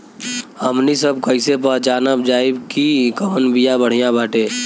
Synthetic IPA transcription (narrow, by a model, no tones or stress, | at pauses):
həmnisəbkəɪsep̬at͡ʃaːnəbd͡ʒaːɪbkikəmənbijabəɽ̤ijãbʱaːʈeː